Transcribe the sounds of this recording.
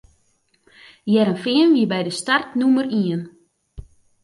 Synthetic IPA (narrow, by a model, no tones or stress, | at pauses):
jɛɾənfɪənʋiəbɛjdəstartnuməriən